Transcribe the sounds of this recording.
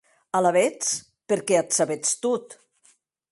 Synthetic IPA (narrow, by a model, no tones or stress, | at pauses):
alaβet͡s | peɾkeat̪saβet͡st̪ut̪